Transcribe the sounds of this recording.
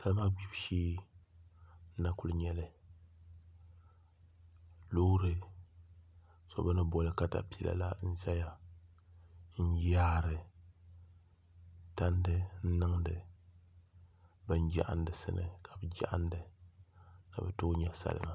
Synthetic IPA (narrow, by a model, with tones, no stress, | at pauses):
sa˨lɨ˦ma˦ɡ͡bi˦bʃeː˦ | n̩˦na˦kʊ˦lɲɛ˦lɨ˨ | loː˦ɾɨ˨ | sɔ̰˨bɨ˦nɨ˦bɔ˨lɨ˦ka˦da̰˨pi˨ɛ˨la̰˨la̰˦n̩˦za˦ja˨ | n̩˦jaː˦ɾɨ˨ | ta˦ndɨ˦n̩˦nɨ˦ŋdɨ˨ | bɨ˨nd͡ʒa̰˦ʔa̰˦ndɨ˨sɨ̰˦nɨ̰˨kʰa˨bɨ˨d͡ʒa̰˦ʔa˦n˦dɨ˨ | nɨ̰˨bɨ˨to˦ɲɛ˦sa̰˨l̰ma˦